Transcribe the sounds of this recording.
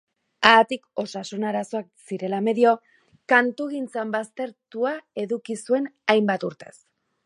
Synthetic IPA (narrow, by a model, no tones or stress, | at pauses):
at̪iko̞sasunaɾaso̞ak̚siɾe̞lame̞ðio̞ | kant̪uɣint͡sambast̪e̞ɾt̪uae̞ðukisue̞najmbat̪uɾt̪e̞s